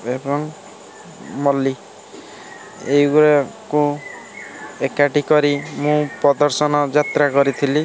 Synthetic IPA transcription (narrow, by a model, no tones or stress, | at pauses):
ebɔŋ | mɔli | eɡuɾeku | ekaʈikɔɾimũpɾɔd̪ɔɾsɔnɔd͡ʒat̪ɾakɔɾit̪ʰili